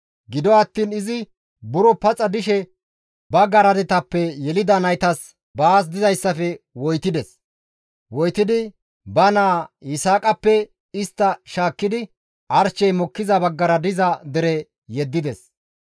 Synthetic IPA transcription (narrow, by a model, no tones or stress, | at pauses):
ɡɪd̪ɔɐt̪ːiːnɪzɪ | bʊɾɔpɐt͡sʼɐd̪ɪʃɛ | bɐɡɐɾɐd̪ɛt̪ɐpːɛjɛlɪd̪ɐnɐjt̪ɐs | baːs̬d̪ɪzɐjsːɐfɛwɔjt̪ɪd̪ɛs | wɔjt̪ːɪd̪ɪ | bɐnaːjɪsaːkʼɐpːɛ | ɪst̪ːɐʃaːkːɪd̪ɪ | ʔɐɾt͡ʃːɛjmɔkːɪzɐbɐɡːɐɾɐd̪ɪzɐd̪ɛɾɛ | jɛd̪ːɪd̪ɛs